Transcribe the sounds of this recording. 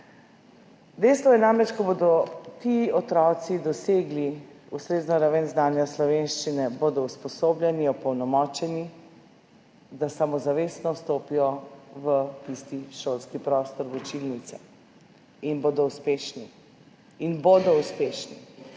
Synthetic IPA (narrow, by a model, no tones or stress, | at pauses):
d̪ɛjst̪ʋɔjɛnamɾɛt͡ʃkɔbod̪ɔt̪iːɔt̪ɾɔt̪sid̪ɔseːɡli | ust̪ɾeːznɔɾaʋɛnznaːnjaslɔʋenʃt͡ʃinɛboːd̪ɔuspɔsoːblʲjɛniɔpɔwnɔmɔːt͡ʃɛni | d̪asamɔzaʋeːsnɔst̪oːpijɔʋət̪ist̪iʃolskipɾɔːst̪ɔɾʋut͡ʃilnit̪sɛ | inboːd̪ɔuspeʃni | inboːd̪ɔuspeːʃni